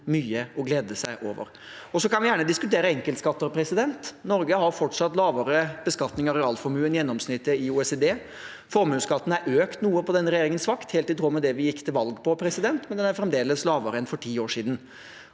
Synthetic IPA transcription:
myːəɔɡleːd̪əsæɪʔo̰ːʋə̰ɾ | ɔsɔkɑnʋɪjæːɳəd̪ɪskʉt̪eːɾəɛŋkəlt̪skɑt̪ːəɾpʰɾɛsɪd̪ɛnt̪nɔɾɡəhɑɾfɔʈʂɑt̪lɑːʋəɾəb̥əskɑt̪nɪŋɑɾɛɑːlfɔɾmʉːənjɛnːɔmsnɪt̪ːəɪuːɛsed̪eː | fɔɾmʉːskɑt̪ːən̩æɾʔøːkt̪nuːəpɔd̪ɛnɾɛjeːɾɪŋənsʋɑkt̪heːlt̪ɪt̪ʰɾuːmɛd̪ɛʋɪjɪkːt̪ʰɪlʋɑlɡpʰɔpʰɾɛsɪd̪ɛnt̪mɛnd̪ɛnæɾfɾɛmd̪eːləslɑːʋəɾəɛnfɔʈʰiːoːʂiːd̪n̩

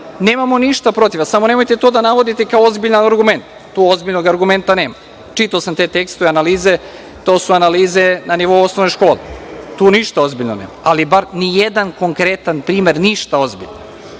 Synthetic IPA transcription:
ne̞ːmamo̞niʃt̪apɾo̞t̪iʋasamo̞nemo̞jt̪e̞t̪oːd̪anaʋo̞d̪it̪ekaoozbiʎanaɾɡume̞nt̪ | t̪ːuːozbiʎnoɡaɾɡume̞nt̪aneːma | t͡ʃit̪aosamt̪e̞ːt̪e̞kst̪oʋeanaliːze | t̪o̞ːsuanaliːzenaniʋo̞uosnoʋnojʃko̞ːlḛt̪uːniʃt̪ao̞zbiʎnoneːmaalibaɾnijed̪ankoŋkɾet̪anpɾiːme̞ɾniʃt̪ao̞zbḭʎo

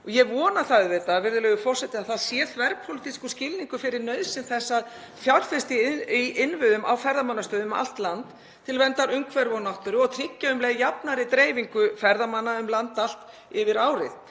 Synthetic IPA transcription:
ɔjɛɣvɔːnaθaðvɛːt̪avɪɾðʏlɛːɣʏfɔr̥sɛt̪ɪaθaðsjɛːθvɛɾpʰolɪt̪iskʏscɪlniŋkʏfɪɾɪɾnœɥðsɪnθɛsːað | θjawr̥fɪ̥st̪iiɪnvʏðʏmʔa̰wfɛɾðamanːast̪œːðʏma̰l̥t̪lant̪ʰː | ɪlvɛnt̪aɾʏmkʰvɛɾvɔnawht̪ʏɾʏɔɣt̪ʰɾicːaʏmlɛɣjapnaɾɪt̪ɾeːjviŋkʏfɛɾðamanːaʏmlant̪al̥t̪ | ɪvɪɾaːwɾɪð

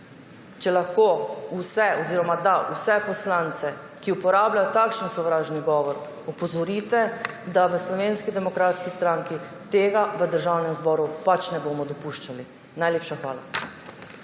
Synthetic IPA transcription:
t͡ʃɛlaxkousɛɔziːɾɔmad̪ausɛpɔslant̪sɛ | kiupɔɾaːblajɔt̪akʃənsɔʋɾaːʒniɡɔːʋɔɾ | upɔzɔɾit̪ɛd̪aʋəslɔʋenskid̪ɛmɔkɾaːt̪skist̪ɾãːŋki | t̪eːɡaʋəd̪əɾʒawnɛmzbɔːɾupat͡ʃnɛbomɔd̪ɔpuʃt͡ʃali | najleːpʃaxʋaːla̰

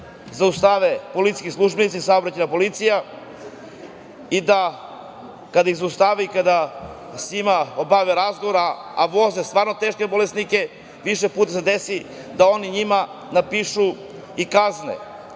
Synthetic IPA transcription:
zaust̪aʋepo̞lit̪si̥kislˠuʒbenit̪sisaobɾat͡ɕejnapo̞lit̪sija | id̪a | kad̪aixzaust̪aʋaikad̪a | seɲimaobaʋeɾazɡoʋoɾaːʋo̞zest̪vaːɾno̞t̪e̞ːʃkebo̞lesnike̞ | ʋiʃepuːt̪ased̪esi | d̪ao̞niɲima | napiːʃu | ikaznḛ

